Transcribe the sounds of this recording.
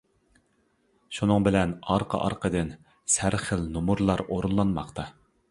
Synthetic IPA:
ʃunɨŋbɪlɛnɑɾqʰə̰ʔɑ̰ɾqʰəd̪ɨn | sæɾχəlnumuɾlˠɑɾoɾunlˠɑnmɑχt̪ʰɑ

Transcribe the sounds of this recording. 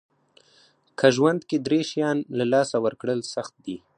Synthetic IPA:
kʰaʒwand̪ked̪ɾeʃjɑnlalɑsawəɾkɽəlsaxt̪̚d̪i

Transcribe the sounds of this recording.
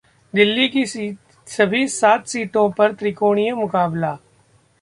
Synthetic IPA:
d̪ɪlːikis | sɐbʱisaːt̪siːʈõpɐɾt̪ɾɪkoːɽ̃ijəmʊkaːbla

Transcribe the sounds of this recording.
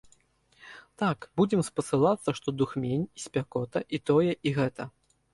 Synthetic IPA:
t̪akbud͡zʲɛmspɐsɨlˠat̪sːɐʂt̪ɔd̪uxmʲenʲisʲpʲakɔt̪ɐʔit̪ɔjɛʔiɣɛt̪ɐ

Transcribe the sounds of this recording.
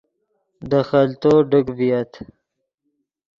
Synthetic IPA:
d̪əxalt̪oɖəɡbijat̪

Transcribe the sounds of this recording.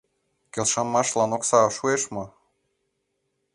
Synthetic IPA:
kʲelʃɑmːɑʃlˠɑnoksɑʃueʃmɤ

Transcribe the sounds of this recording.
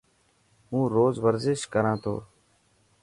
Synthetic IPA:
ũːɾoːzʋəɾzɪʃkəɾãːt̪ʰo̰ː

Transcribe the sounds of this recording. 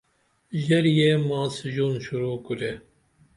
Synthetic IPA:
ʒɛɾjɛmɑːsɨʒuːnʃuɾuːkuɾɛ

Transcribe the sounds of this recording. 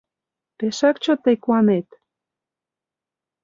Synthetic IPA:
peʃakt͡ɕot̪ekwanet̪

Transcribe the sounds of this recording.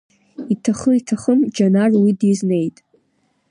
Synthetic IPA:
itʰaχəitʰaχəmd͡ʒanarwidizne̞jtʼ

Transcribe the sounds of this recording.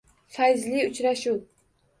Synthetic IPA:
fajzliʊt͡ʃɾaʃu

